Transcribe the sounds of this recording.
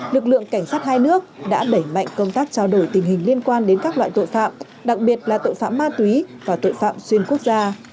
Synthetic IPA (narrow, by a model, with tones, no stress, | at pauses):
lɨ˨˩k̚lɨ̰˧˨əŋka˧˩jŋ̟saː˦˥t̚haː˧jnɨ˦˥ək̚ɗa̰ː˧˥ɗə˧˩jma̰˧˨jŋ̟kə˧wŋ͡mt̪aː˦˥k̚t͡ɕaː˧wɗo˧˩jt̪ï˨˩ŋ̟ɦï˨˩ŋ̟li˧ənkwaː˧nɗe˨˦nkaː˦˥k̚lwa̰ː˧˨jt̪o̰˧˨jfa̰ː˧˨m | ɗa˨˩k̚ɓi˨˩ət̚laː˨˩t̪o̰˧˨jfa̰ː˧˨mːaː˧t̪wi˨˦vaː˨˩t̪o̰˧˨jfa̰ː˧˨mswi˧ənku˦˥ək̚zaː˧